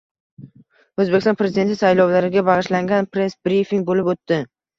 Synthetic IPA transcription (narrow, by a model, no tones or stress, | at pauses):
ɵzbekʲɪst̪ɒnpɾe̞zɪd̪e̞nt̪ɪsajlɒwlaɾɪɡʲabɑʁɨʃlaŋɡʲanpɾe̞sbɾifiŋɡ̚bolɪpot̪ːɪ